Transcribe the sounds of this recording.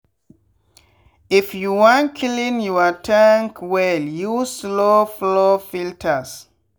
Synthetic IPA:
ifjuwɔ̃nkʰilĩnjɔatʰãŋkwɛljuslɔflɔfiltʰas

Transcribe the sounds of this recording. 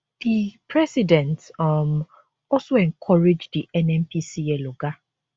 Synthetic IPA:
d̥ipʰɹɛsidɛ̃ntm | ɔsoɛ̃ŋkʰɔɹed͡ʒdiɛnɛmpʰisiɛloɡa

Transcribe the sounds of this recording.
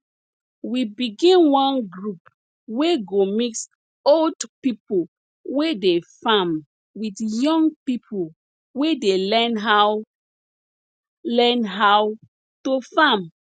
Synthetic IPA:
wibiɡĩnwɔ̃nɡɹup | weɡomiks | oldpipol | wedefãm | widjɔ̃ŋɡpipʰo | wedelɛnɦa | lɛnɦaw | tofãm

